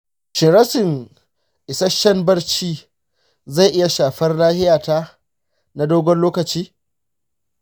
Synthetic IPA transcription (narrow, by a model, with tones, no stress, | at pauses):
ʃɪ˨ɾɐ˦sɪ˨ŋ | ʔɪ˨sɐ˦ʃɐ˦mbɐ˦rt͡ʃiː˦ | za˦˨ʔɪ˦ja˨ʃaː˨ɸɐ˦rlaː˦hɪ˦jaː˨taː˦ | na˦doː˦ɡʷɔ˦nloː˦kɐ˨t͡ʃiː˦